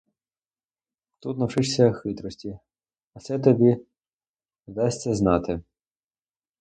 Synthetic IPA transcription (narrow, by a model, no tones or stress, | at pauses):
t̪ut̪nɐwʂɪʂsʲɐxɪt̪ɾɔsʲtʲi | ɐsɛt̪ɔbʲi | d̪ɑsʲt͡sʲɐznɑt̪ɪ